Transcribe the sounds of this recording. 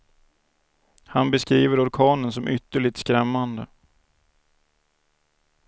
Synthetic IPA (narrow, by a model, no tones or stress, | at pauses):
hanbɛskɾiːvəɾɔɾkʰɑːnənsɔmʔʏt̪ːəɭɪt̪skɾɛmːand̪ə